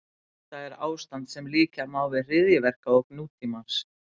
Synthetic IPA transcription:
θaðɛɾa̰ːwst̪ant̪sɛmliːcamaːwvɪðr̥ɪðjɪvɛr̥kaɔɣnuːt̪ʰimaɾ̥s

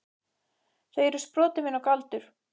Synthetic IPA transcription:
θejɛɾʏ̥spɾɔːt̪ɪmɪnɔwkalt̪ʏɾ̥

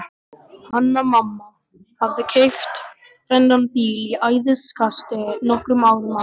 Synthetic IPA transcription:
hanːamamːa | havðɪkʰejft̪ | θɛnɾanpiːliʔaːjðɪskʰast̪ɪnɔhkɾʏmaːwɾʏma

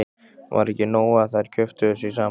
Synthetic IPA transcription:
va̰ɾɛhcɪnoːwaðθaðɪɾ̥cʰœft̪ʏʏsisaː

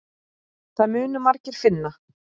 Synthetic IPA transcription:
θaðmʏːnʏmaɾcɪɾ̥fɪnːa

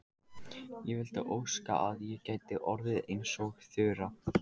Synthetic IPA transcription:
jɛvɪlt̪aʔoːwska̰ʔaðjɛcaːjt̪ɪʔɔɾvɪðejnsɔɣθʏːɾa

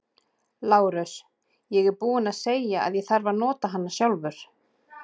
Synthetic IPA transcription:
laːwɾʏs | jɛɣɛɾpuːɪnaðseːjjaa̰ðjɛθaɾvaɾnɔːt̪aɦanːasjawlvʏɾ̥

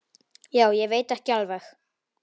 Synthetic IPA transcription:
jaːwjɛveːjt̪ɛhcɪalvɛx

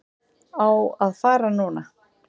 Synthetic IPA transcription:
awaðfaːɾanuːna

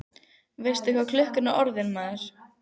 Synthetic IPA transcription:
veːjst̪ɪhkvakʰlʏhkʏnaʔɔɾðɪnmaðɪɾ̥

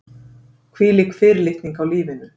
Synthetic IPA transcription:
kʰviliːkfɪːɾɪlɪht̪niŋkawliːvɪnʏ

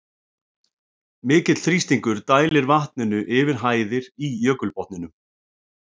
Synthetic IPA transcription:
mɪːcɪt̪l̥θɾist̪iŋkʏɾ̥t̪aːjlɪɾvaht̪̚nɪnʏʔɪvɪɾ̥ɦaːjðɪɾijœːkʏlpɔht̪nɪnʏm

